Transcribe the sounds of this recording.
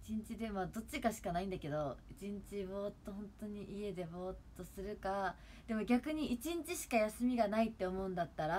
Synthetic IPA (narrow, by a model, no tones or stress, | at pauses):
i̥t͡ɕĩɲ̟t͡ɕid̪e̞mad̪o̞t͡ɕːikaɕi̥kanaĩnd̪ake̞d̪o̞it͡ɕĩɲ̟t͡ɕiβo̞ːt̪ːo̞ɦõ̞nt̪o̞ɲ̟iʔie̞d̪e̞bo̞ːt̪ːo̞sɨɾɯ̟ka | d̪̥e̞mo̞ɡʲakɯ̟ɲ̟iit͡ɕĩɲt͡ɕiɕi̥kajasɨmʲiɡanait̪ːe̞o̞mo̞ɯ̟̃nd̪at̪ːaɾa